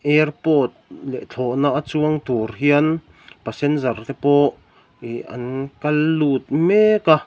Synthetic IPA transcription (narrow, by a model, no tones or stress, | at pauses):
ʔɛrpɔt̪̚lɛ̰ʔt͡ɬʰɔʔnaʔat͡suəŋt̪urɦiən | pasɛnzart̪ɛpɔʔ | ia̰nkalːut̪̚meka